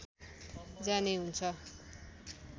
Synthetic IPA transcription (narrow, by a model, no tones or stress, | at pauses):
d͡zaneɦunt͡sʰʌ